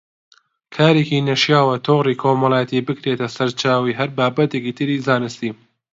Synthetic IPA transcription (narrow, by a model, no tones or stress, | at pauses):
kʰaːɾeːkinɐʃjaːwɐt̪ʰoːɣriːkʰoːmɐlˠaːjɐt̪ibɨkɾeːt̪ɐsɐɾt͡ʃaːwiːɦɐɾbaːbɐt̪ekiːt̪ʰɨɾiːzaːnɨst̪iː